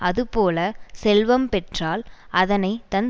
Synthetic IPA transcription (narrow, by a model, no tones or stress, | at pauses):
ɐðɯpoːlɐsɛlʋɐmpɛʈraːlʔɐðɐnɐɪt̪ɐn